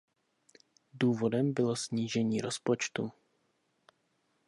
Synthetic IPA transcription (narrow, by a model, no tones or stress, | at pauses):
duːvo̞dɛmbɪlo̞sɲiːʒɛɲiːɾospot͡ʃt̪u